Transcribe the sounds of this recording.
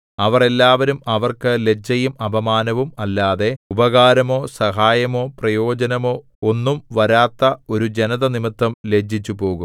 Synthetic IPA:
ɐʋɐre̞lːaːʋɐɾumɐʋɐrkɨle̞d͡ʑːɐjumɐbʱɐmaːnɐʋumɐlːaːðe̞ubɐɣaːɾɐmo̞ːsɐɦaːjɐmo̞ːprɐjo̞ːd͡ʑɐnɐmo̞ː | onːumʋɐɾaːt̪ːɐo̞ɾud͡ʑenɐðɐnimit̪ːɐmle̞d͡ʑʱit͡ɕːupo̞ːɣum

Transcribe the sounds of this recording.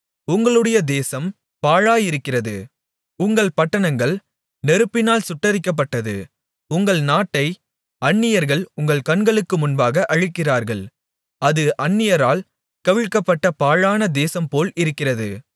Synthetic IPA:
ʊŋɡɐɭɯɽɐjɐd̪eːsɐm | paːɻaːjɪɾɯkːɪrɐðɯ | ʊŋɡɐɭpɐʈːɐɳɐŋɡɐɭ | nɛɾɯpːɪnaːlsʊʈːɐɾɪkːɐp̬ːɐʈːɐðɯ̰ | ʊŋɡɐɭnaːʈːɐɪ | ɐɳːɪjɐɾɣɐɭʊŋɡɐɭkɐɳɡɐɭɯkːɯmʊnbaːɣɐʔɐɻɯkːɪraːɾɣɐɭ | ɐðɯʔɐɳːɪjɐɾaːl | kɐʋɪɻkːɐpːɐʈːɐpaːɻaːnɐd̪eːsɐmpoːlɪɾɯkːɪrɐðɯ̰

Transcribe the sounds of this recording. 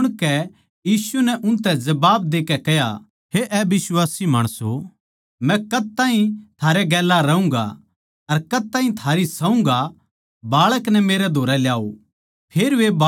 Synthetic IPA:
ɽ̃kɛ | jiːsunɛʔʊ̃nt̪ɛ̃d͡ʒɐbaːb̚d̪eːkɛkɛja̰ | heʔɛbɪswaːsimaːɽ̃əso | mɛ̃kɐd̪̚t̪aːɦĩt̪ʰaːɾeɡɛːlːaɾɐũŋɡa̰ | ɐɾkɐd̪̚t̪aːɦĩt̪ʰaːɾisɐũŋɡa | baːɭəknɛmeːɾɛd̪ʱoːɾɛljaːo̰ | pʰeːɾʋeba

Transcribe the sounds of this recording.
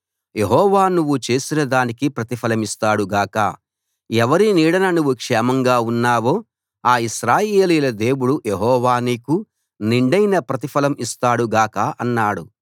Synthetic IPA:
jeɦɔːʋaːnuʋːut͡ʃe̞ːsinɐd̪aːnikipɾɐt̪ipʰɐlɐmist̪aːɽuɡaːkɐ̰ | ɛʋɐɾiniːɽɐnɐnuʋːukʂɛːmɐŋɡaːunːaːʋo̞ː | aːiʃɾaːjeːliːlɐd̪e̞ːwuɽujeɦɔːʋaːniku | niɳɖɐjnɐpɾɐt̪̬ipɐlɐmist̪aːɽuɡaːkɐʔɐnːaːɽṵ

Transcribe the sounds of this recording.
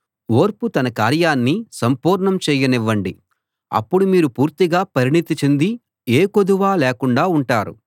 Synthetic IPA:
oːɾput̪ɐnɐkaːɾjaːnːisɐmpuːɾɳɐmt͡ʃɛːjɐniʋːɐɳɖi | ɐ̰pːuɽumiːɾupuːɾt̪iɡaːpɐɾiɳit̪it͡ʃend̪i | eːkod̪uʋaːlɛːkuɳɖaːuɳʈaːɾṵ

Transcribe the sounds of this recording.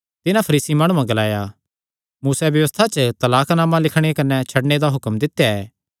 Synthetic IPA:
t̪ɪnãpʰɐɾiːsimaːɽ̃ũãɡɐlaːja | muːsɛbjɐʋəst̪ʰat͡ʃət̪ɐlaːknaːmãlɪkʰɽ̃ekɐnɛt͡ʃʰɐɽɳed̪aɦʊkəmd̪ɪt̪ːjaɛː

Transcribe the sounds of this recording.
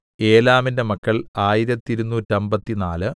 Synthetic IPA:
e̞ːlaːminde̞mɐkːɐɭaːjiɾɐt̪ːiɾunːuːtːɐmbɐt̪ːinaːlɨ

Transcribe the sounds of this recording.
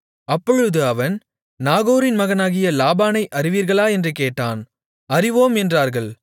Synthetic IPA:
ɐpːɔɻɯðɯɐʋɐn | naːɣoːɾɪnmɐɣɐnaːɣɪjɐlaːbaːnɐɪʔɐrɪʋiːɾɣɐɭaːɛndrɯkeːʈːaːn | ɐrɪʋoːmɛndraːɾɣɐɭ

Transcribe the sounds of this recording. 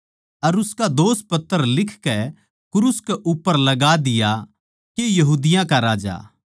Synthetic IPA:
ɐɾʊskad̪oːspɐt̪ːəɾlɪkʰkɛ | kʊɾuskɛʔʊpːəɾlɐɡad̪ɪja | kejɐɦuːd̪ɪjãkaɾaːd͡ʒa̰ː

